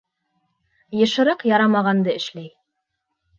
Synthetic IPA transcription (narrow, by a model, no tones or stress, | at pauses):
jɤ̆ʃɤ̆ɾɤqjɑɾɑmɑʁɑnd̪ɤɘ̆ʃlæj